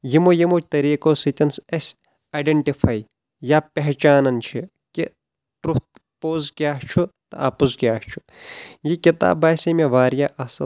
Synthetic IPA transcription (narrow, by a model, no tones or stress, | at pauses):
jimojimoːt͡ʃʰt̪ɐɾiːkoːsit̪ʲɐnsɐsʲ | aɖeɳʈipʰaːi | jaːpɐɦt͡ʃaːnɐnt͡ʃʰi | ki | ʈɾut̪̚ | poːzkʲjaːɦt͡ʃʰut̪ɐ̰aːpuskʲjaːht͡ʃʰu | jikit̪a̰ːbːaːsemeʋaːɾjaːʔɐsɐ